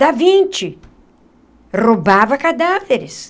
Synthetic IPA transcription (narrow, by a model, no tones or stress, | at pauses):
avĩnt͡ʃɪ | robavɐkad̪aveɾɪs